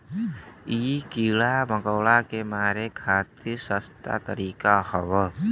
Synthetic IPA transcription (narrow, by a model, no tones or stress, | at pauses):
ikilaməkɔwlakemaɾekʰat̪isəst̪a̰t̪əɾikahəβə